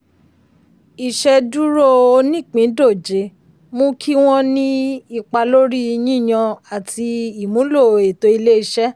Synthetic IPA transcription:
i˨ʃɛ˧du˦ɾo˦o˧nĩ˦˨k͡pĩ˨˦do˦˨d͡ʒe˨˦ | mõ˦kʰi˦w̃ɔ̃˦nĩ˦i˧˨k͡pa˧lo˦ɾi˦˧nĩ˦i˦˨j̃ã˧a˨tʰi˧i˦˨mũ˨˦lo˦˨e˨to˧i˧le˦i˧ʃɛ˦

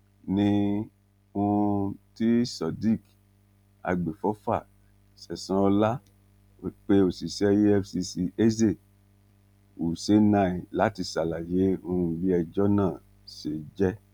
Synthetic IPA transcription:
nĩ˧ | ũ˧ti˦sɔ˨di˦˨k | a̰˧ɡ͡be˨fɔ˦fa˦˨ | sɛ˨sã˦ɔ˧la˦ | o˨k͡pe˦o˨si˨sɛ˦je˦ɛ˦fsi˧si˧e˦ze˦˨ | u˨se˦nã˧˦˨i˨la˨˦ti˧sa˨la˨je˨˦õ˧ũ˧ɡ͡bi˦ɛ˧d͡ʒɔ˦nãː˦˨ | se˨d͡ʒɛ˦

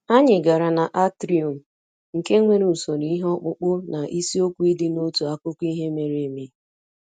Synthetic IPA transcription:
a˦ɲɪ˨ɡa˨ɾa˨na˨ʔa˦tɾi˨o˨m̩˨ | ŋ̩˨ke˦ŋʷe˦ɾu˨so˨n˦i˦i˦ɦɔ˦k͡pʊ˦k͡pʊ˦na˨ʔi˦si˦o˦kʷu˦i˦dɪ˦no˦tu˨a˦kʷʊ˦kʷi˦ɦe˦me˨ɾe˨e˨me˨˦

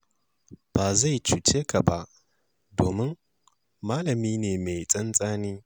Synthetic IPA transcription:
b̥aː˨za˦˨jt͡ʃu˨t͡ʃeː˦ka˨ba˦ʔ | doː˨mɪ˦ŋ | maː˦lɐ˨miː˦neː˨me˨jt͡sʼɐ˦nsʼaː˦niː˦

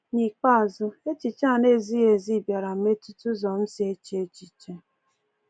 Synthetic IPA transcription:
ɲi˨k͡pa˦a˨zʊ˦e˦t͡ʃi˨t͡ʃa˦˨ne˦zi˦e˨zi˦˨bja˨ɾa˨m̩˨˦me˦tu˦tu˦zɔ˨n̩˦si˦e˦t͡ʃe˦e˦t͡ʃi˨t͡ʃe˦

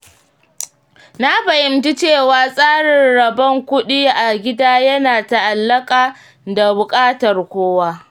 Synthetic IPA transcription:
na˦ɸɐ˨jɪ˨ntɪ˦t͡ʃeː˦˨waː˦sʼaː˦ɽɪ˨nɽɐ˨bɐ˦ŋkʷʊ˦ɗiː˦ʔa˨ɡʲɪ˦daː˦jɐ˦naː˨ta˦ʔa˨lːɐ˦kʼaː˨ | da˨bʊ˨kʼaː˦tɐ˨rkʷoː˦waː˦

